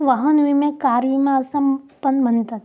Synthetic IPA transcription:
ʋɐɦɐnuimẽkaːɾʋimẽɐsɐmpɐnbʱɐnt̪ɐt̪

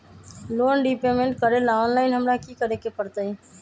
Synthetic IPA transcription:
lonɖipemeɳʈkəɾelaonlaɪnɦəmɾakikəɾekepəɾt̪əj

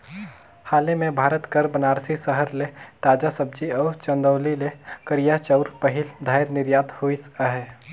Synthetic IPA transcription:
haːlemẽbʱaːɾət̪kəɾbənaːɾsisəɦəɾlet̪aːd͡ʒasəb̚d͡ʒiɔːɾt͡ʃə̃nd̪əːlilekəɾijat͡ʃəʊɾpəɦild̪ʱaːɪɾnɪɾjaːt̪hoisəɦe

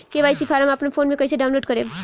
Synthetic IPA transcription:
keʋaːjsipʰaɾamaːpnapʰonmẽkəiseɖaw̃nloɖkəɾe

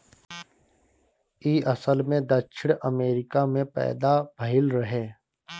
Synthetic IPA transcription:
iːɐsəlmẽd̪ɐkʃʰɪɽ̃əmeːɾɪkamẽpɛ̰ːd̪abʱɐɦɪlɾɐɦeː

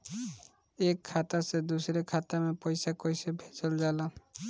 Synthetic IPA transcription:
ekʰːat̪ased̪usɔɾekʰat̪amepɔjsakɔjsebʱet͡ʃɔld͡ʒala

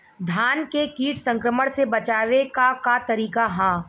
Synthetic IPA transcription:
d̪ʱaːnkekiːʈsɐ̃ŋkɾəməɽ̃sebɐt͡ʃaːʋekakat̪ɐɾiːkaɦãː

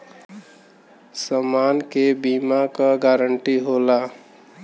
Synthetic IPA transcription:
səmankebimakaɡaɾəɳʈiɦola

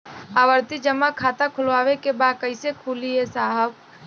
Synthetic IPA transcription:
aːʋəɾt̪id͡ʒəmakʰaːt̪akʰʊlʋaːʋekebaːd̪̚kəɪsekʰuːliɦesaːɦəb

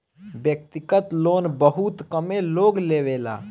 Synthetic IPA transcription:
bjək̚t̪ɪkət̪loːnbəɦut̪kəmẽloːɡleːʋeːla̰ː

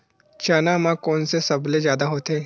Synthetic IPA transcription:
t͡ʃaːnamãkɔːnsesɐblezjaːd̪aɦoːt̪eː

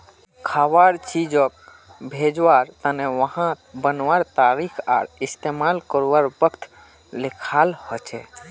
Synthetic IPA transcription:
kʰaʋaɾt͡ʃid͡ʒɔk̚ | bʱed͡ʒʋaɾt̪əneʋəɦã | bənʋaɾt̪aɾikʰa̰ɾist̪emalkəɾʋaɾbəkt̪ | lekʰalhɔt͡ʃʰɛ̰

